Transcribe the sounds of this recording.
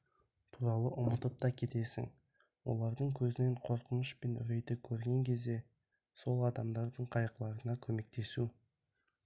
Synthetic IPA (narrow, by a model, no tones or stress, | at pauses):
t̪ʰuɾɑlˠəʔʊmət̪əp̚t̪ɑkʲʰe̞t̪e̞sɪ̰ŋ | wo̞̰lˠɑɾd̪əɴkʲʰɵzɪne̞ɴqʰo̞ɾqənəʃpe̞nʏɾejt̪ɪkʲʰɵɾɡʲe̞ŋkʲʰe̞zd̪e̞ | so̞lˠɑd̪ɑmd̪ɑɾd̪əɴqʰɑjəqlˠɑɾənɑkʲʰɵme̞k̚t̪e̞su